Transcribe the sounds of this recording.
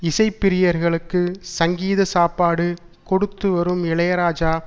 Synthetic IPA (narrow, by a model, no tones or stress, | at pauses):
ɪsɐɪpːɪɾɪjɐɾɣɐɭɯkːɯsɐŋɡiːðɐsaːpːaːɽɯ | kɔɽɯt̪ːɯʋɐɾɯmɪɭɐjɐɾaːd͡ʒaː